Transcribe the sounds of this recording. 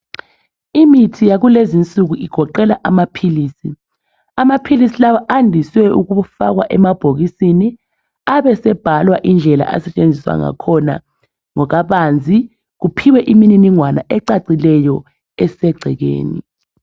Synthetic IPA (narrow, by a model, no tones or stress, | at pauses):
imitʰijaɣulezint͡sʼuɣ̬uʔiɡ̥ʱɔǃɛlaʔamapʰiliːsi | amapʰilisilawaʔandʱiswɛʔukuufa̰k̬wa̰ʔɛmab̥ʱoɣisini | aɓɛsɛb̥ʱalwaʔind͡ɮʱɛla̰ʔa̰sɛt͡ʃʼend͡zʱiswa̰ŋa̰kʰɔna̰ | ŋɔk̬aɓand͡zʱi | ɣ̬upʰiwɛʔimininiŋwanaʔɛǀaǀilɛjɔ | ɛsɛɡ͡ǀʱɛɣḛːnḭ